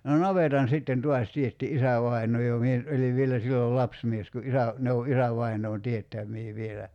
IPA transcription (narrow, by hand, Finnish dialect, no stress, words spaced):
no nɑʋetɑn sitːen tuɑs tietːi isæʋɑinˑoː jo mie nyt ʔoliʋ ʋielæ silːol lɑpsmies ku ʔisæ ne o ʔisæʋɑinoːn tietːæmˑiː ʋielæ